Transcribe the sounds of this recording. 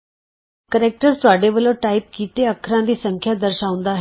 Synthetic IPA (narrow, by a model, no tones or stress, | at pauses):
kəɾeːk̚ʈəɾzt̪ʊaːɖeʋəlõʈaːɪp̚kiːt̪eəkʰɾãd̪iːsə̃ŋkʰjad̪əɾʃaːʊ̃nd̪aːɦ